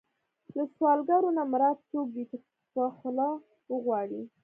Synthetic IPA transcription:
laswɑlɡaɾonamɾɑt̪̚t͡sok̚b̪it̪a | paxlɑ | wəɣwɑɽi

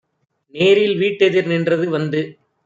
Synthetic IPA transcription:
neːɾɪlʋiːʈːɛðɪɾnɪndrɐðɯʋɐnd̪ɯ

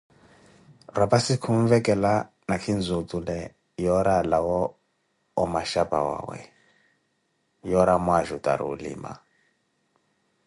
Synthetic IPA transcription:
rapasikʰuɱvɛkʼɛla | nakʰind͡zutʼulɛ | jɔɾalawɔː | maʃapʼa̰wa̰ːwɛ̰ | jɔɾamwaʒutʼa̰ɾḭṵlḭːma̰

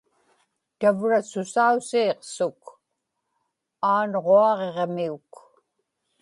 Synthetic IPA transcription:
t̪avɻasʊsausiːqsʊk | aːnʁoɑʁeʁmiuk

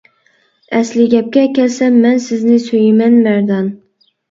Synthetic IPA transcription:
æslɪɡʲɛp̚kʲɛkʲɛlsamːænsɪznɪsojɪmænmæɾd̪ɑn

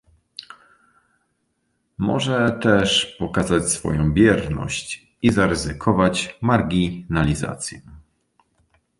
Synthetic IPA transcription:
mɔ̰ʐɛt̪ɛʂpɔkazat͡ɕsfɔ̰jɔ̃w̃bʲjɛɾnɔ̰ɕt͡ɕ | izaɾɘzɘkʰɔvat͡ɕmaɾɡʲinalʲiza̰t̪sʲjɛ

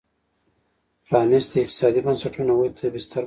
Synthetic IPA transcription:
pɾɑːnist̪iɪq̚t̪ɪ̥sɑːd̪ibansaʈunawut̪ʰabɪst̪aɾ

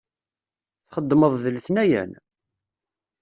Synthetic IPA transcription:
θχəd̪ːməðˤðəlθnæjæ̰n

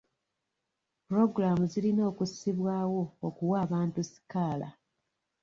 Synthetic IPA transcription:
puɾo̞ɡɾamuzilino̞ːkusiβwaːwo̞ːkuwaːβaːntusi̥kaːla̰

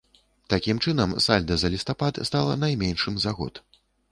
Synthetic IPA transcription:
t̪akʲimt͡ʂɨnɐmsalʲd̪ɐzɐlʲist̪apat̪st̪alˠɐ̰najmʲɛnʂɨmzaɣɔ̰t̪

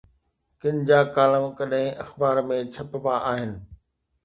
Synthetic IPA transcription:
kɪɲd͡ʑaːkaːləmkɐɗɦɪ̃ʔɐxbaːɾmẽt͡ɕʰɐppaʔaːɦɪnɪ̆

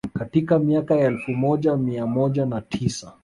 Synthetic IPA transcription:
katikamiakajaɛlfumɔʄamiamɔʄanatʰisa

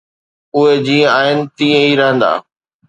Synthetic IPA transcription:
ʊɦed͡ʑĩːə̃aːɦɪnɪ̆t̪ĩːə̃iɾɐɦə̃nd̪a̰ː

